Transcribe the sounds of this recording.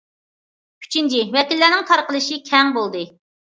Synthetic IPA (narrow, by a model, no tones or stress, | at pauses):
kʲʰy̥t͡ʃʰint͡ʃʰiwɛkʲilːænɪŋt̪ʰɑɾqəlˠɨʃikʲʰɛŋbolˠd̪ɨ